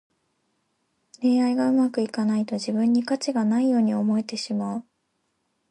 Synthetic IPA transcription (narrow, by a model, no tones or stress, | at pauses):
ɾe̞ːaiɡaɯ̟makɯ̟ikanait̪o̞ʑibɯ̟̃ɲ̟ːikat͡ɕiɡanaijo̞ːɲ̟io̞mo̞e̞t̪eɕimaɯ̟